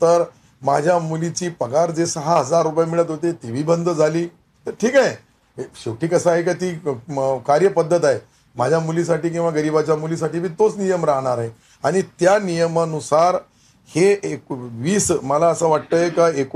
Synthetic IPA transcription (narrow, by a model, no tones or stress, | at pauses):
t̪əɾ | mad͡ʑʱjamulit͡ɕiːpəɡaɾd͡zesəɦaɦəd͡zaɾːupjamiɭət̪ɦot̪et̪iʋ̤iːbənd̪ʱəd͡zʱaliː | t̪əɾʈʰiːkae | ɕokʈiːkəsaɦekat̪iːkaɾjəpəd̪ʱːət̪aɦe | mad͡ʑʱjamulis̬aʈiːk̬ĩw̃ʋaɡəɾibat͡ɕjamulisaʈiːbiːt̪ot͡snijəmɾaɦɽ̃aɾɦe | aɽ̃it̪janijəmənusaɾ | heeʋiːsməlaəsəʋaʈ̚t̪əjekaek